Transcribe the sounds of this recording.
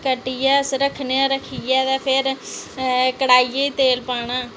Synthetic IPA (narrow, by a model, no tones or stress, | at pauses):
kəʈijɛːsɾəkʰneaːɾəkʰijɛːt̪aːpʰɪɾ | kəɽaːiːeːiːt̪eːlpaːɳaː